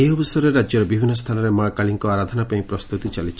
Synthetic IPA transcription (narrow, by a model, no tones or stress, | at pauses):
eɔbisɾeɾad͡ʒjɔɾebibʱinːɔst̪ʰanɔɾemakaɭiŋkɔaɾad̪ʱɔnapaĩpɾɔst̪ut̪it͡ʃalit͡ʃʰi